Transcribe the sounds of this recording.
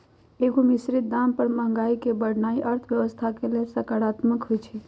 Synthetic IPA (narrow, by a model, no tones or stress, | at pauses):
eɡomisɾit̪̚d̪ampəɾməɦə̃ŋɡaikebəɽ̤naiʔəɾt̪ʰʋjəʋəst̪ʰakelelsəkaɽat̪məkɦojt͡ʃʰi